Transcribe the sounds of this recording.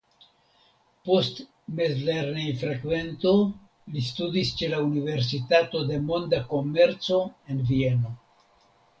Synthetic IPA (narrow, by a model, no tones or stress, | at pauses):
po̞st | mezleɾnejfɾakve̞nt̪o̞ | listud̪ist͡ʃe̞launive̞ɾs̬itato̞d̪e̞mo̞nd̪ako̞me̞ɾt͡so̞e̞nvieno̞